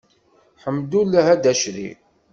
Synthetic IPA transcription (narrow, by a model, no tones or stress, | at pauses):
ħəmːd̪ulːæɦæd̪æʃɾḭ